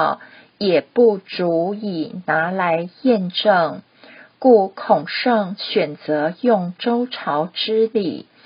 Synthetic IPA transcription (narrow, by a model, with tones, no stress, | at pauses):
jɛ˨˩pu˥˩t͡su˧˥i˨˩na˧˥la˧˥ɪjɛ˥˧nʈ͡ʂɤ˥˩ŋ | ku˥˧kʰʊ˨˩ŋʂɤ˥˩ŋɕɥɛ˨˩nt͡sɤ˧˦jʊ˥˩ŋʈ͡ʂo˥ʊʈ͡ʂʰɑ˧˥ʊʈ͡ʂɻ̩˥li˨˩˦